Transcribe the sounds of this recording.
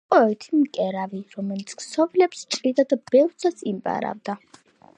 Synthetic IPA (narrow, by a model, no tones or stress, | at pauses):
qʼɔɛt̪ʰimkʼɛɾaviɾɔmɛlit̪sʰksʰɔvilɛpst͡ʃʼɾid̪ad̪ab̥ɛɾsʰasimbʼa̰ɾa̰vd̪a